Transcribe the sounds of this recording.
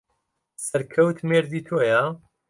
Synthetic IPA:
sɐɾkʰɐwt̪ʰmeːɾd̪iːt̪ʰoːja

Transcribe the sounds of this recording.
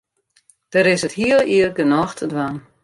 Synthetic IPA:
d̥əɾɪsəthiəlˠiərɡənɔxtʰədwan

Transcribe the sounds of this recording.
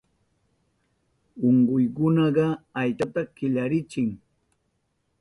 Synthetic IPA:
oɴɢʊjkʊnɑɢɑajt͡ʃat̪akɪʎaɾɪt͡ʃɪŋ

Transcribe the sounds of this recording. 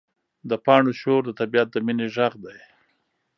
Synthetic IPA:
d̪əpɑɳoʃoɾd̪ət̪abijat̪̚d̪əmineʒaɣd̪aj

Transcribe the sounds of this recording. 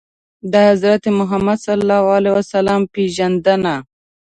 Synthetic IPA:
d̪əhazɾat̪emʊɦamad̪salːɑwalewasalampeʒand̪əna

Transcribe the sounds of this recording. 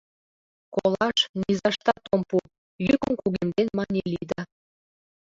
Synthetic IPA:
kolɑʃnizɑʃt̪ɑt̪ompu | jykənkuɣemd̪enmɑnʲelid̪ɑ

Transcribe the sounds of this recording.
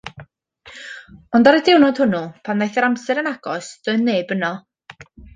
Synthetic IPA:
ɔndaɾədɪwnɔd̥hʊnupʰanðajθɛɾamsɛɾənaɡ̥ɔsd̥ʊneːbənɔ

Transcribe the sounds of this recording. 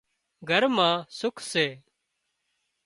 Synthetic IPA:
ɡʱəɾmãːsʊkʰseː

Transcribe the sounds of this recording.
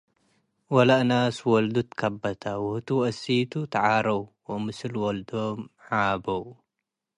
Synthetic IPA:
wɐlaʔnaswɔld̪ut̪kʰɐbːɐt̪ʰawʊht̪ʰuʔɐsit̪ʰut̪ʰaʕaɾɐwwoʔmɨsɨlwɔld̪omʕabɐw

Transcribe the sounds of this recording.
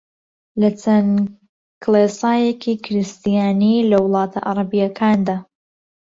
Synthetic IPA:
lɐt͡sʰɐn | kʰlesaːjekikʰɪɾɨst̪ijaːnilɐwʊlˠɑːt̪ʰa̰ʔa̰ɾˤɑbijɐkʰaːnd̪aː

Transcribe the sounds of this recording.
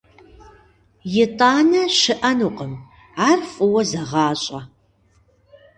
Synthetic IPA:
jɪtʼaːnɐɕɪʔɐnuːqəm | aːrfʼɨwɐzɐʁɑːɕʼɐ

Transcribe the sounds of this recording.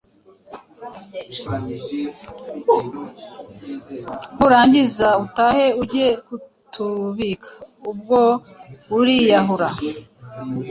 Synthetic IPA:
huɾaːɲɟizautaːhe̞uɾɟekutʰuβikʰḁub̚ɡouɾijaɦuɾa

